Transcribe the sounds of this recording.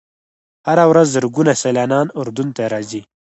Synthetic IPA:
haɾawɾazːaɾɡunaselɑːnɑːnʊɾd̪unt̪aɾɑːzi

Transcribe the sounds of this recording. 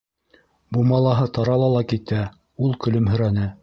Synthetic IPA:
bumɑlˠɑɦɤt̪ɑɾɑlˠɑlˠɑkit̪æ | ulˠkɵ̆lɵmɦɵ̆ɾænɘ

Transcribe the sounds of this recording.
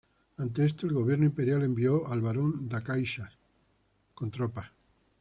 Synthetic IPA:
ant̪̬eest̪oelɣo̞β̞je̞ɾnoimpe̞ɾjale̞mbioalβaɾond̪akajʃa | kont̪ɾopa

